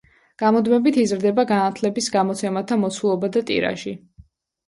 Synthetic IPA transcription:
ɡ̥amɔd̪mɛbit̪ʰizɾd̪ɛbaɡanat̪ʰlɛbisɡamɔt̪sʰɛmat̪ʰamɔt̪sʰulˠɔbad̪at̪ʼḭɾa̰ʃi

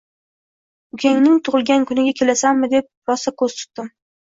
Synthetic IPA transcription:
ʊkʲʰaŋnɪŋt̪ʰʊʁɨlˠɡʲankʊnɪɡʲakʲʰe̞lasamːɪd̪e̞p̚ɾɒsakʰɵz̥t̪ʰʊ̥t̪̚d̪ɪm

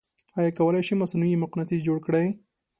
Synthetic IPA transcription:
ɑjɑkawəlajʃimasnujimʊqnat̪izd͡ʒoɽkɽaj

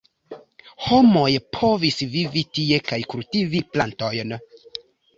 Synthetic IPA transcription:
ho̞mo̞jpʰo̞visvivitie̞kajkultiviplanto̞jn

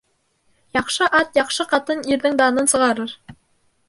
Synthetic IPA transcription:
jɑqʃɤʔɑt̪jɑqʃɤqɑt̪ɤniɾðɘŋd̪ɑnɤnsɤ̆ʁɑɾɤɾ

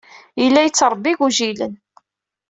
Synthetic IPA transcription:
ilːæjət͡sːɾˤəbːiʝuʒilə̰n

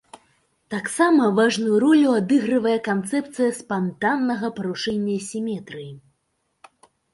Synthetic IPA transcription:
t̪aksamɐvaʐnujuɾɔlʲuad̪ɨɣɾɨvɐjɛkant̪sɛpt̪sɨjɐspant̪anːɐɣɐpɐɾuʂɛnʲːɐsʲimʲɛt̪ɾɨji

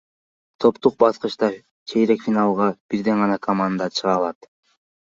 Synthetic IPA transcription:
t̪ʰo̞pt̪uq̚bɑsqɯʃt̪ɑ | t͡ʃʰejɾekfʲinɑlˠʁɑb̥iɾd̪e̞ɴʁɑnɑkʰɐmand̪ɑt͡ʃʰɯʁɑlˠɑt̪

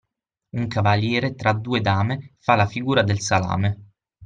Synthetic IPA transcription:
uŋkavaljɛːɾet̪ɾad̪ːuːed̪aːmefalafiɡuːɾad̪elsala̰ːme

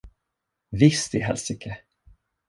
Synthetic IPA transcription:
vɪst̪ɪɦɛlsɪkʰə

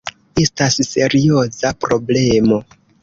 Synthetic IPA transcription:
estasse̞ɾio̞zapɾo̞ble̞mo̞

